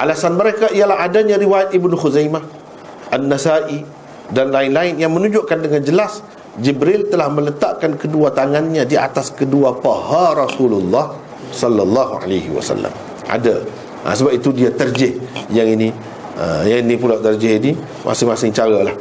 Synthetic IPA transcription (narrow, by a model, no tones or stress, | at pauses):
ʔalasanməɾekaijalaɦadaɲãɾiwajat̪̚ibnuxuzajmah | ʔanːasaʔi | danlaɪnlaɪnjaŋmənũd͡ʒʊʔkandəŋand͡ʒəlas | d͡ʒibɾɪlt̪əlahmə̃lət̪aʔkankəduat̪aŋanɲadia̰t̪askəduapahaɾɔsululːɑh | sɔlːalːɑɦua̰lajhḭwa̰sa̰lːa̰m | ʔa̰da | ʔa̰səbap̚it̪udiat̪ərd͡ʒɪhjaŋini | ə̰jaŋinipulawt̪ərd͡ʒɪhini | mʔa̰sɪŋmasɪŋt͡ʃaɾalah